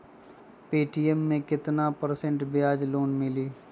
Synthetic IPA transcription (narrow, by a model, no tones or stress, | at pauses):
peːʈiːɛmːẽkɪt̪napəɾsẽɳʈbɪjaːd͡ʒloːnmɪliː